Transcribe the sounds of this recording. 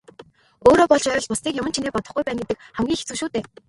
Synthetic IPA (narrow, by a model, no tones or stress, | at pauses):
oːɾoːpɔɮt͡ɕœːɾ̆ɮpʊsniːkʲjʊmə̆nt͡ɕʰineːpɔt̪ɞ̆χɡujpæːnɡet̪ɘ̆k̚χæmɡʲiːŋxet͡sɘ̆ʃuːt̪eː